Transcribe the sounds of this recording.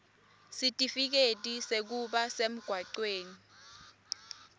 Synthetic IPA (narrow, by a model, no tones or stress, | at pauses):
sitʼifik̬etʼisek̬uɓasem̩ɡ̥ʱwaǀweːni